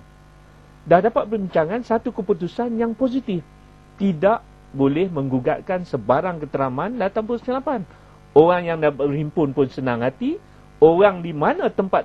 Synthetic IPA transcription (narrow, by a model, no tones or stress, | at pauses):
dahdapat̪̚pərbiɲt͡ʃaŋansat̪ukəput̪usanjaŋpos̬it̪ɪf | t̪idaʔ | bolɛhmə̃ŋɡuɡaʔkansəbaɾaŋkət̪əɾamãndat̪ampusəlapan | oɣaŋjaŋdarimpʊnpʊnsənaŋɦat̪i | oɣaŋdimanãt̪əmpat̪̚